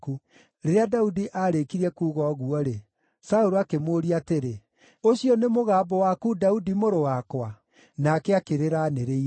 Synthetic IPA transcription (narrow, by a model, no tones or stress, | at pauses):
ku | ɾeɾeadaudiʔaɾekiɾiɛkuːɣɔɣuɔɾe | saoɾoakemoːɾiateɾe | oɕiɔnemoɣaːbɔwakudaudimoɾowakwa | nakeakeɾeɾaneɾei